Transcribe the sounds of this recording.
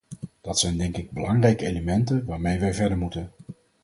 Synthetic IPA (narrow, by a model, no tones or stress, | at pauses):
d̥ɑtsɛjndɛŋkɪɡ̚bəlɑŋrɛjkəejləmɛntənʋaːɹmejʋɛjvɛɹdəɹmutən